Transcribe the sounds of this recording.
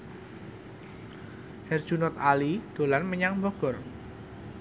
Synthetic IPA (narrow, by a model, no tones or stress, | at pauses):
hɛr̥ʒ̥unɔt̪̚alid̪̥o̤lanməɲaŋmbɔɡ̥ɔ̤r